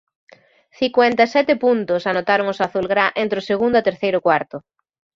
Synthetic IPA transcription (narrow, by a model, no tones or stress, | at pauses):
θikwɛnt̪asɛt̪ɪpunt̪ʊsanot̪aɾʊŋʊsaθulɣɾaʔent̪ɾoseɣund̪ʊat̪eɾθejɾʊkwaɾt̪ʊ